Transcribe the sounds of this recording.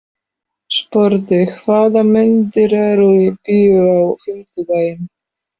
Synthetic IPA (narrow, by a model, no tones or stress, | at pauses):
spɔɾt̪ɪkʰvaːðamʏnt̪ɪɾɛɾɔipʏʏawfɪmt̪ʏd̪ajɪn